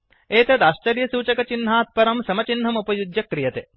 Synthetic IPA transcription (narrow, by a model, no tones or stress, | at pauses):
eːt̪ɐt̪aːʃt͡ʃɐɾjɐsuːt͡ʃɐkɐt͡ʃinɦaːt̪̚pɐɾɐmsɐmɐt͡ʃinːɦɐmupɐjud̪jɐkɾijɐt̪e